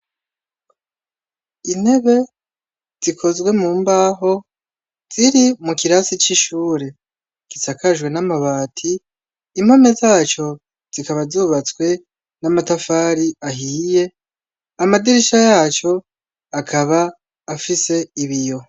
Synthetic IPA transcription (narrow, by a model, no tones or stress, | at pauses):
in̥he̞βe̞ | z̥ikʰo̞zɡwe̞muːmbaːɦo̞ | z̥iɾimukiɾasit͡ʃiʃuːɾe̞ | ɡ̥isakʰaʒɡwe̞namaβaːtʰiː | m̥ho̞me̞zaːt͡ʃo̞ | z̥ikaβazuːβat͡swe̞ | namatafaːɾiaɦiːje̞ | amadiɾiʃajaːt͡ʃo̞ | akʰaβaː | fise̞iβijo̞